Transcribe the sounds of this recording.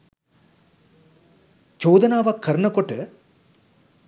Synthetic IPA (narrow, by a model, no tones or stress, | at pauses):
t͡ʃoːd̪ɐnaːʋakʰːɐɾɳɐkoʈːɨ